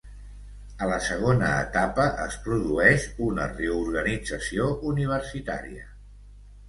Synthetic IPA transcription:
ələsəɣ̞onəːt̪apəʔəspɾuðuɛʃunə̰reuɾɣənid͡zəsioʔuniβ̞əɾsit̪a̰ɾiə

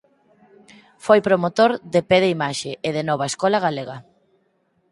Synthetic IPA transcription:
fojpɾomot̪oɾðepeðeimaʃeʔeðenɔβaeskɔlaɣ̞aleɣɐ

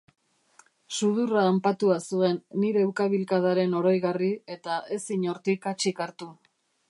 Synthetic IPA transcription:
suðuraːmpat̪uasue̞nːiɾe̞ːwkaβilkað̞aɾe̞no̞ɾo̞jɣarie̞t̪aʔe̞siɲo̞ɾt̪ikat͡ʃikaɾt̪u

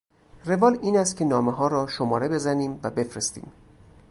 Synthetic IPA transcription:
re̞vɒːliːnæst̪̚cʰenɒːmeɦɒːɾɒːʃomɒːɾe̞be̞zæniːmvæbe̞fɾest̪ḭːm

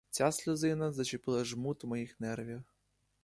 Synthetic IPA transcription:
t͡sʲaslʲʊzɪnɐzɐt͡ʃɪpɪlˠɐʒmut̪wmɔjixnɛrʋʲix

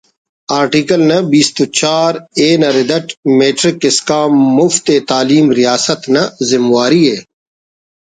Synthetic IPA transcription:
aːɾʈiːkɐlnɐbiːst̪ut͡ɕaːɾeːnɐɾɪd̪ɐʈmeːʈɾɪkɪskaːmːʊft̪eːt̪aːliːmɾijaːsɐt̪nɐzɪmwaːɾieː

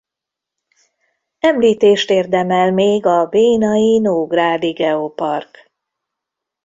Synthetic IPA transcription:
ɛmliːt̪eːʃt̪eːrd̪ɛmɛlmeːɡɒbeːnɒjinoːɡraːd̪iɡɛopɒrk

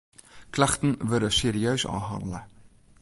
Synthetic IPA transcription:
klɐχtənvəɾdəseːɾiœɥsɑ̰ːɦɑ̰ndələ

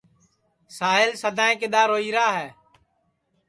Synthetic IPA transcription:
saːɦɪlsəd̪ʱãːẽːk̬ɪɗ̪aːɾoːiːɾaːɦɛː

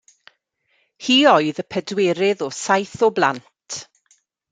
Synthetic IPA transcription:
hiːɔɨðəpʰədweːɾɪðɔsajθɔblˠa̰ntʰ

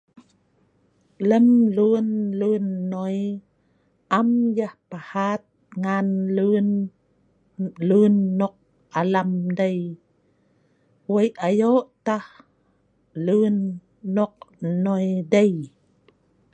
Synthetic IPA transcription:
ləmlunlunːɔj | ʔamjahpahat̪̚ŋanlun | lunːɔk̚ | alamdəj | wəjajoʔt̪ah | lunː | ɔk̚nɔjdəj

